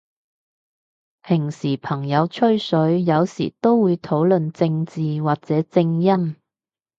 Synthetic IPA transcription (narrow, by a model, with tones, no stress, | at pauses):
pʰɪ˨˩ŋsiː˨˩pʰɐ˨˩ŋjɐ˨˧wt͡ʃʰɵ˥ɥsɵ˨˥ɥjɐ˨˧wsḭː˨˩t̪o˥wːuː˨˧jt̪ʰo˨˥wlɵ˨nt͡sɪ˧ŋt͡siː˨waː˨k̚t͡sɛː˨˥t͡sɪ˧ŋjɐ˥n